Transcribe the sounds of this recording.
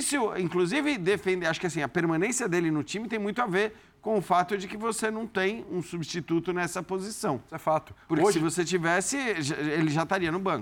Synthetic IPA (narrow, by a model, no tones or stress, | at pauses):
isʊĩkluzivɪd̪efẽd̪ɪaʃʊkɪasĩɐpeɾmɐ̃nẽsiɐd̪elɪnʊt͡ʃĩmɪt̪ẽj̃mũj̃t̪ʊaveɾ | kõʊfat̪ʊd͡ʒɪkɪvosenɐ̃w̃t̪ẽj̃ũsubʃt͡ʃit̪ut̪ʊnɛsɐpozisɐ̃w̃sɛfat̪ʊ̥pʊɾkɪsɪvoset͡ʃivɛsɪʒaelɪʒat̪aɾiɐnʊbɐ̃kʊ